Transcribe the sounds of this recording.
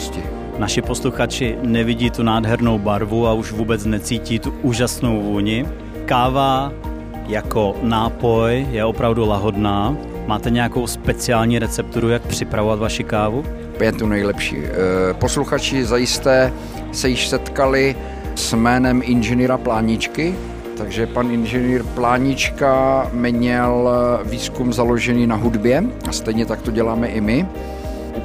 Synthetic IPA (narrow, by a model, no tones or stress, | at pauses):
scɪ | naʃɪpo̞sluxat͡ʃɪnɛvɪɟiːt̪unaːdɦɛɾno̞wbaɾvuauʃvuːbɛt͡snɛt͡siːciːt̪uʔuːʒasnowvuːɲɪ | kaːva | jako̞naːpo̞jjɛo̞pɾavdulaɦo̞dnaː | maːt̪ɛɲɛjako̞wspɛt͡sɪaːlɲiːɾɛt͡sɛp̚t̪uɾujak̚pr̝̥ɪpɾavo̞vat̪vaʃɪkaːvu | pjɛt̪unɛjlɛpʃḭːpo̞sluxat͡ʃɪzajɪst̪ɛː | sɛjɪʃsɛt̪kalɪ | smɛːnɛmʔɪnʒɛniːɾaplaːɲɪt͡ʃkɪ | t̪aɡʒɛpanʔɪnʒɛniːɾplaːɲɪt͡ʃkamɲɛlviːskumzaloʒɛniːnaɦudbjɛast̪ɛjɲɛt̪ak̚t̪o̞ɟɛlaːmɛʔɪmɪ